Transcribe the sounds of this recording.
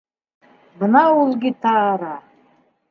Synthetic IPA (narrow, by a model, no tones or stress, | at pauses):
bənɑulˠɡʲit̪ɑɾɑ